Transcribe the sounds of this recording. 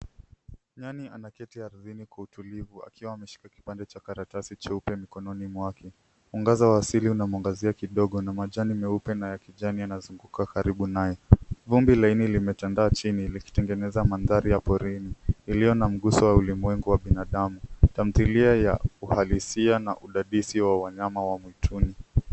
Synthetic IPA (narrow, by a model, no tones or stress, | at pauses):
ɲanianakɛtiaɾðinikwautulivua̰kiwaːmɛʃi̥kaki̥pandɛt͡ʃakaɾatasit͡ʃaupɛmikɔnɔnimwakɛ | uŋɡazawaːsiliunamaŋɡaziakiɗɔɠɔnamaʄanimɛupɛnajakiʄanianazuŋɡukakaɾiɓunajɔvumbilainilimɛtandaːt͡ʃiniliki̥tɛŋɡɛnɛzamanðaɾijapɔɾiniːlijɔnam̩ɠusɔwaulimwɛŋɡuwaɓinaɗamutam̩θiliaja̰uhalisianaʔuɗaɗisiwawaɲamawamwitʰuni